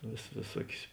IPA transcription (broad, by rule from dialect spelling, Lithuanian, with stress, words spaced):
ʋʲeːs ʋʲeːˈsuɔkʲʊs